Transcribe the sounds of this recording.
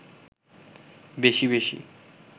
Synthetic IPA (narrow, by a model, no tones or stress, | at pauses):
beʃiβeʃḭ